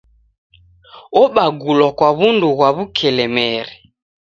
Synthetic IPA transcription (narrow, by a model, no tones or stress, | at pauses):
ɔɓaɡulɔkwaβunduɣwaβukʰɛlɛmɛɾi